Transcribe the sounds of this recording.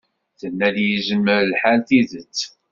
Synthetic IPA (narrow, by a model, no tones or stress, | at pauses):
θənːæljəzəmːəɾlħalθiðət͡sː